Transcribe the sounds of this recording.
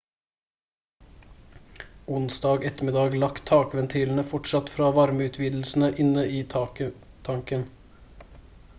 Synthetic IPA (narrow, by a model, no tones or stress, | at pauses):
ʊnsd̪ɑːɡɛt̪əmɪd̪ɑːɡlɑkt̪ʰɑːkʋɛnt̪ʰiːln̩əfɔʈʂɑt̪fɾɑːʋɑɾməʉːt̪ʰʋiːd̪l̩sn̩əʔɪnəiː | t̪ʰɑŋkən